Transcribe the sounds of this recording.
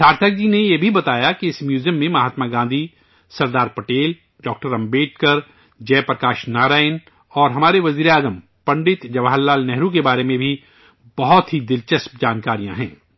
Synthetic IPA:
sʰaːɾt̪ʰək̚d͡ʒinejebʱibɐt̪aːjakiɪsmjuːzjəmːẽmɐɦaːt̪maɡãːnd̪ʱi | sɐɾd̪aːɾpɐʈeːl | ɖɔːk̚ʈəɾɐ̃mbeːʈ̚kəɾ | d͡ʒɛːpɾɐkaːʃnaːɾaːɪn | ɔːɾɦɐmaːɾeʋɐziːɾaːzəm | pɐ̃ɳɖɪt̪d͡ʒɐʋaɦəlːaːlnɛɦɾukebaːɾemẽbʱi | bɐɦɔt̪ɦid̪ɪlt͡ʃɐsp̚d͡ʒaːnkaːɾijãɦɛ̰̃ː

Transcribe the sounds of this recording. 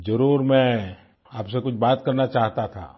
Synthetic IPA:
d͡ʒɐɾuːɾmɛ̃ | aːpsekʊt͡ʃʰbaːt̪kɐɾnat͡ʃaːɦt̪at̪ʰa̰ː

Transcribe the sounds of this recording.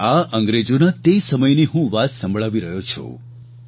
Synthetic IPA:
aʔə̃ŋɡɾed͡ʒonat̪esəməjniɦũʋat̪sə̃mbʱɭaʋiɾəɦot͡ʃʰo̰

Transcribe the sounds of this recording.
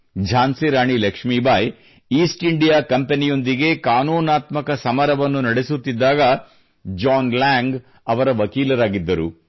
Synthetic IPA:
d͡ʒʱaːnsiɾaːɳilɐkʂmiːbʱaːj | iːsʈiɳɖijaːkɐmpenijo̞nd̪iɡe̞kaːnuːnaːt̪mɐkɐsɐmɐɾɐʋɐnːunɐɽesut̪ːid̪ːaːɡɐ | d͡ʒaːnlaːŋɡ | ɐʋɐɾɐʋɐkiːlɐɾaːɡid̪ːɐɾu

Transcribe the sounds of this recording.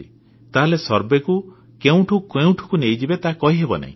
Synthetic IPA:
i | t̪aɦlesɔɾbeku | keũʈʰukeũʈʰu̥kunejd͡ʒibet̪akɔɦiɦebɔna̰ɦḭ̃

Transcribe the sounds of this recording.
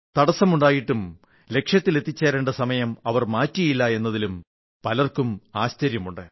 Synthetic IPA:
t̪ɐɽɐsːɐmuɳɖaːjiʈːum | le̞kʂjɐt̪ːile̞t̪ʰːit͡ɕːeːɾeɳɖɐsɐmɐjɐmɐʋɐrmaːtːijilːɐe̞nːɐðilum | pɐlɐrkumaːɕt͡ɕɐɾjɐmuɳɖɨ

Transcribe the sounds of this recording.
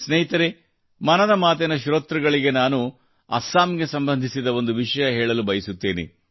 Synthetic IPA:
sneɦit̪ɐɾe | mɐnɐd̪ɐmaːt̪̬ɛnɐʃɾoːt̪ɾɐɡɐɭiɡe̞naːnu | ɐ̰saːmɡe̞sɐmbɐnd̪ʱisid̪ɐo̞nd̪uʋiʂɐjɐɦɛːɭɐlubɐjɐsut̪ːeːnḛ

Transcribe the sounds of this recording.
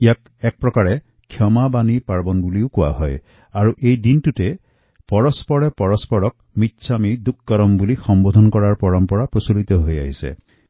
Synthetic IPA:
ijak | ɛk̚pɹɔkaɾe | kʰjɔmabanipaɹbɔnɔbuliukua̰ɦɔj | aɾuʔejdinʈuʈe | pɔɹɔspɔɽepɔɹɔspɔɹɔk̚mit̪ːsʰamid̪ukːɔɾɔmbulixɔmbod̪ʱɔnɔkɔɹaɹpɔɹɔmpɔɽapɾosulit̪ɔɦoja̰ɦisḛ

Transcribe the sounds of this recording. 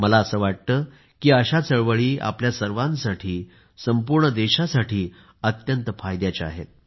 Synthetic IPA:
məlaəsəːʋaʈ̚t̪əː | kiːəɕat͡səɭʋəɭiːa̰pljasəɾʋãnsaʈʰiː | səmpuɾɳəd̪eɕasaʈʰiː | ət̪jənt̪əfajd̪jat͡ɕea̰ɦḛt̪̚

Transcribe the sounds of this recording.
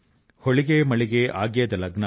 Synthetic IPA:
hɔɭiɡemɐɭiɡeʔaːɡjɐd̪ɐlɐɡnɐ

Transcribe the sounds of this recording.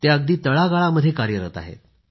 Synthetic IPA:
t̪eəɡ̚d̪iːt̪əɭaɡaɭaməd̪ʱjekaɾjəɾət̪a̰ɦḛt̪̚

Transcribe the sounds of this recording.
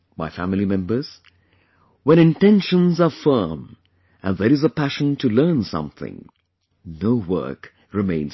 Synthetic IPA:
maɪfæmlˠimɛ̃mbə˞z̥ | wɛ̃ñɪ̃ntɛ̃nʃə̃nzəfɜ˞m | ʔɨ̃nðəɾɨzəpʰæʃə̃ntʰɨlɜ˞nsʌ̰̃mθɪ̰̃ŋ | noʊwɜ̰˞k | ɹɨmḛ̃ɪ̃nz

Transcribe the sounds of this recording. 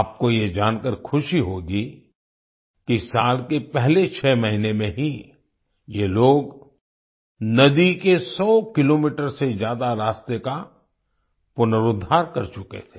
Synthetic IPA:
aːp̚kojed͡ʒaːnkəɾkʰʊʃiɦoɡi | kisaːlkepɛɦlet͡ʃʰɛːmɐɦinemẽɦi | jeloːɡ | nɐd̪ikesɔːkɪloːmiːʈəɾsezjaːd̪aɾaːst̪eka | pʊnəɾʊd̪ʱːaːɾkɐɾt͡ʃʊkḛt̪ʰe̥ː

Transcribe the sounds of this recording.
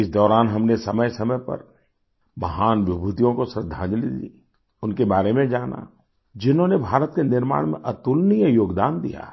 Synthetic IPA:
ɪsd̪ɔːɾaːnɦɐmnesɐməjsɐməjpɐ̰ɾ | mɐɦaːnʋɪbʱut̪ijõkosɾɪd̪ʱːa̰ːd͡ʒlid̪ḭ | ʊnkebaːɾemẽd͡ʒaːna̰ | d͡ʒɪnɦõnebʱaːɾət̪̚kenɪɾma̰ːɽ̃mḛ̃ʔɐt̪ʊlnijəjoːɡd̪aːnd̪ḭja̰ː

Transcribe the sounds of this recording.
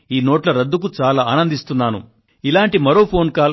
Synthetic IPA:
iːnoːʈlɐɾɐd̪ːuk̬ut͡ʃaːlaːaːnɐnd̪ist̪unːaːnṵ | ilaːɳʈimɐɾo̞ːpʰo̞ːnkaːl

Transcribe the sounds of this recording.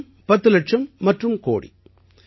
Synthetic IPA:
m | pɐt̪ːɯlɐʈ̚ʂɐmːɐʈrɯmko̰ːɽḭ

